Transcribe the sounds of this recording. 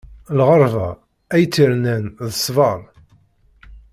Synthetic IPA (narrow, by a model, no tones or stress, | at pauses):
lʁəɾˤvæ̰ | æjt͡sːiɾnænðəsˤvɑɾˤ